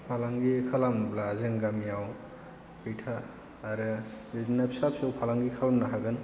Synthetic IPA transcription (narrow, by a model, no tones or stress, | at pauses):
pʰalaŋɡikʰalamblazɯŋɡamijaw | bejtʰaː | ɾɯbidinapsap̚sawpʰalaŋɡikʰalamnaɦaɡɯn